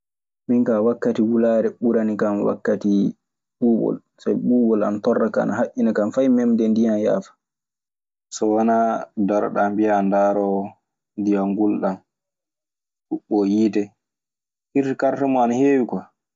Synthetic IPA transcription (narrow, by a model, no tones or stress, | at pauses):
minkawakːatiwulaːɾɛɓuɾanikamwa̰kːati | ɓuːbɔ̰l | sajɓuːbɔla̰natɔrːakaa̰naɦaʔːinakamfajmɛmdɛndijanja̰ːfḁ | sɔwanadɔɾɗambijandaːɾɔ | ndijaŋɡulɗan | ɗuɓːɔjiːtɛ | hiɾkaɾtɛmɔanaheːwikɔ